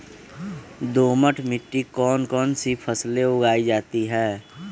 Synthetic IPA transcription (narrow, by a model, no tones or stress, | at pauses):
d̪oːməʈʰmɪʈːikɔːnkɔːnsipʰəsleʊɡaːid͡ʒaːt̪iɦɛː